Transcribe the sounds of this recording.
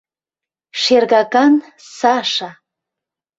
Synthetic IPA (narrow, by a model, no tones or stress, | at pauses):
ʃerɣɑkɑn | sɑʃɑ